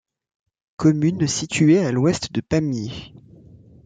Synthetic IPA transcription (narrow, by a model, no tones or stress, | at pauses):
kɔmynsit̪ʰyealwɛst̪d̪əpamje